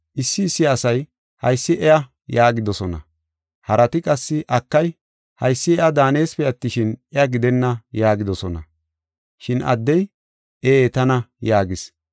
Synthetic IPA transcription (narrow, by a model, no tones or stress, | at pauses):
ʔɪsːɪːsːɪɐsɐj | hɐ̰jsːɪʔɛjɐ | jaːɡɪd̪ɔsɔnɐ̰ | hɐɾɐt̪ɪkʼɐsːɪʔɐkːɐj | hɐjsːɪɛɐd̪aːne̞ːspɛjɐt̪ːɪʃɪnɛɐɡɪd̪ɛnːɐjaːɡɪd̪ɔsɔnɐ̰ | ʃɪnɐ̰d̪ːɛj | eeːt̪ɐnɐjaːɡɪs